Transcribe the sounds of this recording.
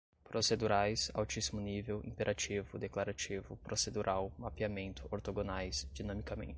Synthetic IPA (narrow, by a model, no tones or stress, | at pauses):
pɾosed̪uɾajsa̰wt͡ʃisimʊnivewḭ̃peɾʔat͡ʃivʊd̪eklaɾat͡ʃivʊpɾosed̪uɾʔawmapiamẽnt̪ʊoɾt̪oɡonajsd͡ʒinɐ̃mikamḛ̃nt͡ʃɪ